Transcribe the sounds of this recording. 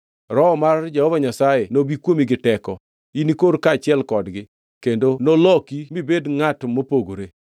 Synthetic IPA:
ɾɔmard͡ʒahɔvaɲasajenobikwomiɡɪtɛkɔ | inikoɾkat͡ʃɪɛlkɔdɡɪ | kendonolɔkimibedŋatmopoɡoɾe

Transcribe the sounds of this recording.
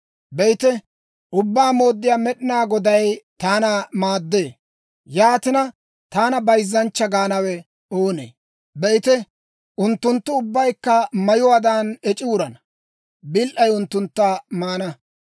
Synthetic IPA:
bɛjt̪ɛ | ʔʊbːaːmo̞ːd̪ːɪjaːmɛɗɪnaːɡɔd̪ɐjt̪aːnɐmaːd̪ːeː | jaːt̪ɪnɐ | t̪aːnɐbɐjzːɐnt͡ʃːɐɡaːnɐwɛ | oːnḛː | bɛjt̪ɛ | ʊnt̪ːʊnt̪ːʊʊbːɐjkːɐmɐjʊwaːd̪aːnɛt͡ʃʼɪʊɾɐnɐ | bɪlʔɐjʊnt̪ːʊnt̪ːaːmaːnɐ

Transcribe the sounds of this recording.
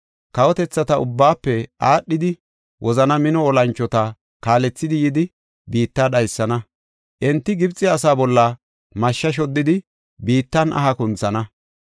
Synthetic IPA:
kɐwɔt̪ɛt͡sːɐt̪ɐʔʊbːaːpːɛʔaːɗːɪd̪ɪ | wʔɔzɐnɐmɪnɔːlɐnt͡ʃːɔt̪ɐ | kaːlɛt͡sːɪd̪ɪjɪd̪ɪ | biːt̪ːaːɗɐjsːɐnɐ | ʔɛnt̪ːɪɡɪbt͡sʼːɪɐs̬aːbɔlːɐ | mɐʃːɐʃ̬ɔd̪ːɪd̪ɪ | biːt̪ːɐnʔɐ̰ɦɐkʊnt͡sːɐnɐ

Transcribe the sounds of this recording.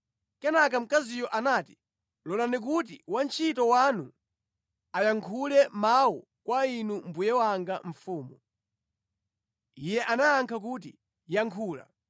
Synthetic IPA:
kɛnak̬am̩kazijɔʔanaːti̥ | lɔlanik̬ut̬iwant͡ʃʰitɔwanu | ajaŋkʰulɛmawɔ | kwainum̩bujɛwaŋɡaɱ̩fuːmu | ijɛʔanaːŋkʰak̬ut̬i | jaŋkʰuːla̰

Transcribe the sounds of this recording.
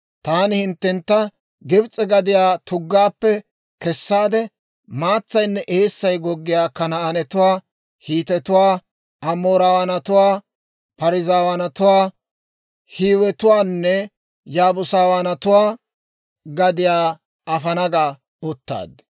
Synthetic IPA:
t̪aːnɪhɪnt̪ːɛnt̪ːɐ | ɡɪbt͡sʼɛɡɐd̪ɪjaːt̪ʰʊɡːaːpːɛ | kɛsːaːd̪ɛ | maːt͡sːɐjnːɛʔeːsːɐjɡɔɡːɪjaːkɐnɐːnɛt̪ʊwaː | hiːt̪ɛt̪ʊwaː | ʔɐmoːɾawɐnɐt̪ʊwaː | pɐɾɪzaːwɐnɐt̪ʊwaː | hiːwɛt̪ʊwaːnːɛ | jaːbʊsaːwanɐt̪ʊwaː | ɡɐd̪ɪjaː | ɐfɐnɐɡaː | ɔt̪ːa̰ːd̪

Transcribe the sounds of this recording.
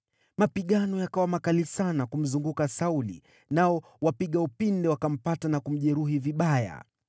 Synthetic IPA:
mapiɠanɔjakawamakalisanakum̩zuŋɡukasaulḭ | naɔ | wapiɠaupindɛwakam̩patanakum̩ʄɛɾuɦiviɓaja̰

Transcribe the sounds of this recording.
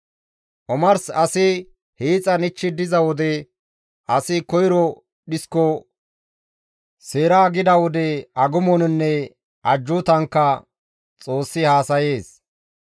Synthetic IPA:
ʔɔmɐɾsɐsɪ | heːt͡sʼɐnɪt͡ʃːɪd̪ɪzɐwɔd̪ɛ | ʔɐsɪkɔjɪɾɔ | ɗɪskːɔ | seːɾaːɡɪd̪ɐwɔd̪ɛɐɡʊmɔnnːɛ | ʔɐd͡ʒːʊt̪ɐŋkːɐ | t͡sʼo̞ːsːɪhaːsɐje̞ːs

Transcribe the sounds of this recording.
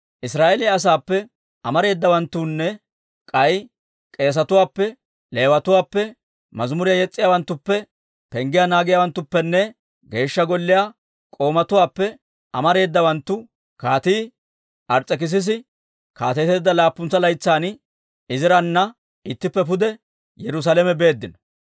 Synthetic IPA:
ʔɪsɾaːʔɛlɪɐs̬aːpːɛ | ɐmɐɾe̞ːd̪ːɐwɐnt̪ːuːnːɛ | kʼɐj | kʼe̞ːs̬ɐt̪ʊwaːpːɛ | le̞ːwɐt̪ʊwaːpːɛ | mɐzmʊɾɪjajɛt͡sʼːɪjaːwɐnt̪ːʊpːɛ | pɛŋɡɪjanaːɡɪjaːwɐnt̪ːʊpːɛnːɛ | ɡe̞ːʃːɐɡɔlːɪja | kʼo̞ːmɐt̪ʊwaːpːɛ | ɐmɐɾe̞ːd̪ːɐwɐnt̪ːʊ | kaːt̪iː | ʔɐɾt͡sʼːɛk̬ɪs̬ɪs̬ɪ | kaːt̪ɛt̪e̞ːd̪ːɐlaːpːʊnt͡sːɐlɐjt͡sːaːn | ɪzɪɾɐnːɐ | ɪt̪ːɪpːɛp̬ʊd̪ɛ | jɛɾʊs̬alɛmɛbe̞ːd̪ːɪnɐ

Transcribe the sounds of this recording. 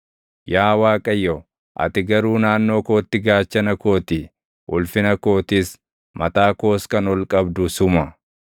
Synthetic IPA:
jaːwaːkʼɐjːo | ʔɐ̰t̪ɪɡɐɾuːnaːnːo̞ːko̞ːt̪ːɪɡaːt͡ʃːɐnɐko̞ːt̪ɪ | ʔʊlfɪnɐko̞ːt̪iːs | mɐt̪aːko̞ːskɐnɔlkʼɐbd̪ʊsʊmɐ

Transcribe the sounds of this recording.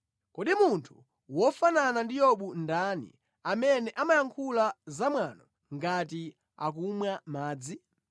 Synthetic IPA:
kɔɗimuntʰu̥ | wɔfananandijɔɓundanḭ | amɛnɛʔamajaŋkʰulazamwanɔ | ŋɡati | a̰k̬umwamaːd͡zi

